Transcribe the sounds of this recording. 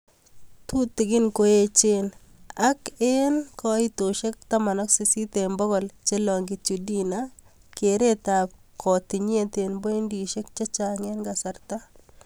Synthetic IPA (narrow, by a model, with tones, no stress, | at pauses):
t̪u˦t̪ːɪ˨ɡɪ˦nko˦e˦t͡ʃɪ˦n | a˦ke˦nkɔ˦i˦t̪o˨ʃe˦k̚t̪a˦ma˨nɔ˦ksi˨si˦t̪e˨mbɔ˦ɡɔ˨lt͡ʃe˦lɔ˨ŋɡɪ˨t͡ʃu˨di˦na˦ | ke˨ɾe˦t̪a˨p̚kʰɔ˨t̪ɪ˨ɲ˦e˦t̪e˨nbo˦i˦ndi˨ʃe˦k̚t͡ʃa˦t͡ʃa˨ŋe˦nɡa˨sa˨ɾt̪a˦